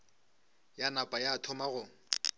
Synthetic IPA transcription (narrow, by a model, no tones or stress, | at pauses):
janapʼajaːtʰɔmaɣʊ